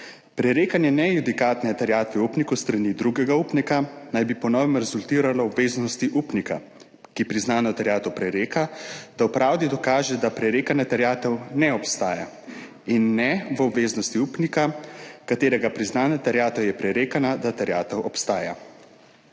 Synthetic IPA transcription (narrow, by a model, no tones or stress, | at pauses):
pɾɛɾeːkanjɛnɛjud̪ikaːt̪nɛt̪ɛɾjaːt̪ʋɛupnikust̪ɾanid̪ɾuɡɛɡauːpnikanajbipɔnɔːʋɛmɾɛzult̪iːɾalɔɔbʋeːznɔst̪iʔuːpnika | kipɾiznaːnɔt̪ɛɾjaːt̪ɔwpɾɛɾeːkad̪̥awpɾaːwd̪id̪ɔkaːʒɛd̪apɾɛɾeːkanat̪ɛɾjaːt̪ɛwnɛɔpst̪aːja | inːɛʋɔbʋeːznɔst̪iuːpnikakat̪eːɾɛɡapɾiznaːnat̪ɛɾjaːt̪ɛwjɛpɾɛɾeːkanad̪at̪ɛɾjaːt̪ɛwʔɔpst̪aːja̰